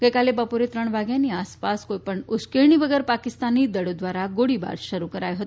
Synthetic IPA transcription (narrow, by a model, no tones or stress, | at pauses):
ɡəjkalebəpoɾet̪ɾəɳʋaɡjaniːaspaskojpəɳuskeɳ̃iːbəɡeɾpakist̪aniːd̪əɽod̪ʋaɾaɡoɽiba̰ɾɕəɾukəɾajɦot̪